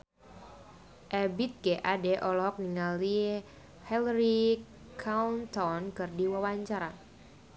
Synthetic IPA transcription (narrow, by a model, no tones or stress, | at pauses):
ʔɛbit̪̚ɡɛʔadɛʔɔlɔɦɔk̚niŋali | hɛlɾi | kʰaunt̪ɔnkɨrdiwawaɲt͡ʃaɾa